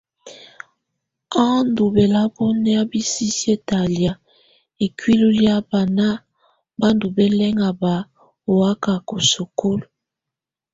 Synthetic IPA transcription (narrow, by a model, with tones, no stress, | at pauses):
a˦ndu˨be˨la˦bɔ˦nɛ˦a˦bi˦si˦si˦e˦ta˨lja˨ | e˨kwi˦lu˦lja˦ba˨na˦ | ba˦ndu˨be˦lɛ˦ŋa˨ba˨ | o˨wa˦ka˨ko˨so˨ko˦lo˨